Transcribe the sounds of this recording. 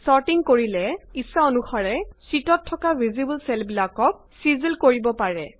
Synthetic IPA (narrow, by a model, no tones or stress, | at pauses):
saɹtiŋkoɹilɛisaonuxaɹɛsitɔtʰːɔkabʱizibəlsɛlbilakɔk̚sizilkoɹibɔpaɹɛ